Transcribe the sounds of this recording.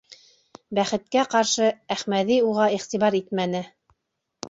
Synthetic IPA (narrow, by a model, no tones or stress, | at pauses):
bæχɘ̆t̪̚kæqɑɾʃɤæχmæðiuʁɑiχt̪iβɑɾit̪̚mænɘ